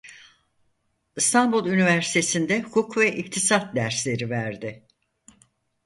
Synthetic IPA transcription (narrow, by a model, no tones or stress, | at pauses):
ɯst̪ʰanbulˠynivæɾsi̥t̪ʰe̞sind̪ɛhukʰukvɛʔic̚t̪ʰisat̪̚d̪æɾslʲe̞ɾivæɾd̪ɪ